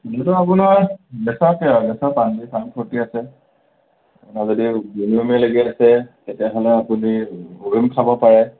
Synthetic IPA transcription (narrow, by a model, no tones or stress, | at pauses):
nɛtɔapunaɹbɛsakbɛsapandipʰampʰɔtiasɛ | apʊnazɔdibuniɔmɛloɡiasɛtɛtijaɦɔlɛapuniuɹimkʰabɔpaɹɛ